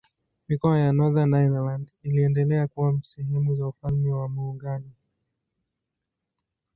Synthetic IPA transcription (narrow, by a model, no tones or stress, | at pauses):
mikɔajanɔðanːaiðɛlandiliɛndɛlɛakuwam̩sɛɦɛmuzaufalmɛwamuːŋɡani